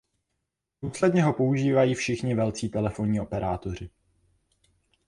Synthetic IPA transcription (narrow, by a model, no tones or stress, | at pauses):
duːslɛdɲɛɦo̞po̞uʒiːvajiːfʃɪxɲɪvɛlt͡siːt̪ɛlɛfo̞ɲiːo̞pɛɾaːt̪o̞r̝ɪ